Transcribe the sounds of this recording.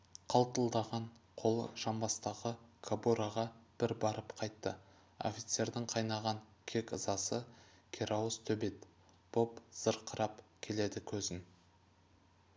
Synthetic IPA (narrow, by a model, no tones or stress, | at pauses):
qʰɑlˠt̪əlˠd̪ɑʁɑɴqʰo̞lˠə̰ʒɑmbɑst̪ɑʁəkʰabuɾaʁɑb̥ɪɾbɑɾəpqʰɑjt̪ːə | o̞̰fʲit̪se̞ɾd̪ɪɴqʰɑjnɑʁɑŋkʲʰe̞kəzɑsəkʲʰeɾʔaust̪ʰɵbe̞t̪ | b̥o̞pz̥əɾqʰəɾɑpkʲʰe̞le̞d̪ɪkʲʰɵzɪn